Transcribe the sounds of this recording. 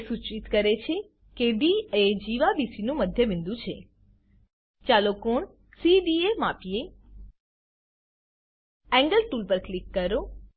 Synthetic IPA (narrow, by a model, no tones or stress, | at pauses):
sut͡ʃit̪kəɾet͡ʃʰe | keɖied͡ʒiʋabisinũməd̪ʱjəʋɪ̃nd̪ũt͡ʃʰḛ | t͡ʃalokoɳ | siɖiemapije | ɛ̃ŋɡəlʈulpəɾklikːəɾo